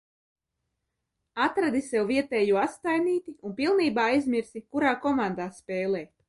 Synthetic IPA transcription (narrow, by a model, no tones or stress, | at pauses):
at̪ɾad̪isɛwviɛt̪ɛːjuɔast̪ajniːt̪iunpilˠniːbaːajzmiɾsikuɾaːkɔmand̪aːspɛːlˠɛː